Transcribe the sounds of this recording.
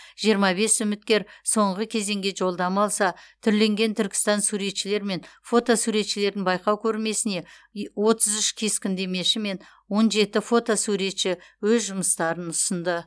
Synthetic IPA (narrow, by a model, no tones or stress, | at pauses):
ʒ̥ijəɾmɑbe̞sʏmɪt̪̚kʲe̞ɾso̞ɴʁəkʲʰe̞ze̞ŋɡʲe̞ʒo̞lˠd̪ɑmɑlˠsɑt̪ʰʏɾle̞ŋɡʲe̞nt̪ʰʏɾkʲɪ̥st̪ɑnsuɾe̞t̪ʃɪle̞ɾme̞nfo̞t̪o̞suɾe̞t̪ʃɪle̞ɾd̪ɪnbɑjqɑwkʲʰɵɾme̞sɪne̞ | wo̞t̪əzʏʃkʲʰe̞skʲɪnd̪e̞me̞ʃɪme̞n | wo̞nʒe̞t̪ɪfo̞t̪o̞suɾe̞t̪ʃɪwɵzʒʊməst̪ɑɾənʊsənd̪ə